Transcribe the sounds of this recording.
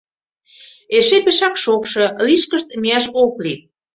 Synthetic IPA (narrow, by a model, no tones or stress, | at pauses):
eʃepeʃɑkʃokʃɤ̆liʃkəʃt̪miɑʃokli